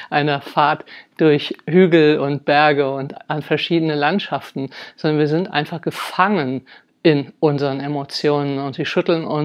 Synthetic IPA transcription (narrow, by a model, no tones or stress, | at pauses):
ʔaɪnɐfaɐtd̥ʊɐçhyːɡl̩ʊnt̚b̥ɛɐɡəʊntʔanfɛɐʃiːdənəlantʃaftn̩zzɔndɐnviːɐzɪntʔa̰ɪnfaχɡ̥əfaŋən | ɪnʔʊnzəʁənemot͡sjoːnənʊntz̥iːʃʏtl̩nʊn